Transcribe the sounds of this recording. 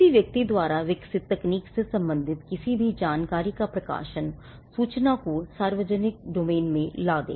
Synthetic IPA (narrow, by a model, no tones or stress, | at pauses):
iʋjək̚t̪id̪waːɾaːʋɪksɪt̪ːɛkniːksesə̃mbə̃nd̪ʱɪt̪kɪsibʱid͡ʒaːnkaːɾiːkapɾəka̰ːʃən | suːt͡ʃnaːkusaːɾʋəd͡ʒənɪk̚ɖoːmeːnmẽlaːd̪ḛː